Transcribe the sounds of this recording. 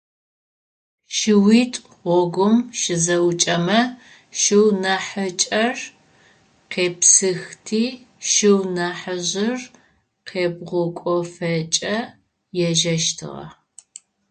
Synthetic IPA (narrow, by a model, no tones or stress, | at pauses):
ʃɪwiːtʼ | ʁʷɔɡʷʊmʃɪzɐwt͡ʃʼɐmɐ | ʃɪwnɐħət͡ʃʼɐr | qeːpsɨxtʰiː | ʃɪwnɐħəʑɪr | qʰeːbʁʷʊkʷʼɔfɐt͡ʃʼɐ | jɛʒɐʃtʰɨ̰ʁɐ̰